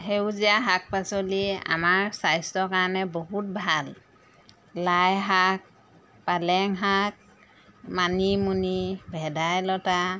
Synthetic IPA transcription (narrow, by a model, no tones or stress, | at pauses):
hewziaɦak̚pasolia̰maɹsajstɔkaɹnɛboɦut̚bʱal | lajɦak̚ | palɛŋɦak̚ | manimunibʱɛdajlɔta